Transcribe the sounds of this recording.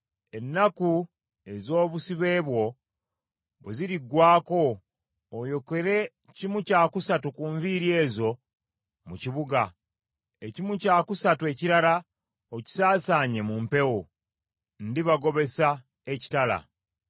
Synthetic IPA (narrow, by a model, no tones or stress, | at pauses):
e̞nːaku | e̞zo̞ːβusiβe̞ːβwo̞ | βeziɾiɡːwaːko̞ː | jo̞ke̞ɾe̞ | cimucaːkusatukuːɱviɾie̞ːzo̞ | muciβuɡa | ecimucaːkusatue̞ciɾala | oci̥saːsaːɲe̞mumpe̞wo | ndiβaɡo̞βe̞sa | eci̥tala̰